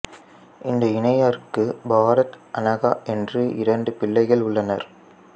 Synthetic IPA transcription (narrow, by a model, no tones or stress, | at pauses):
ʔɪnd̪ɐɪnɐjaːɾkːɯbaːɾɐt̪ʔɐnɐɣaːʔɛndrɯʔɪ̰ɾɐɳɖɯpɪlːɐɪɣɐɭʊɭːɐnɐɾ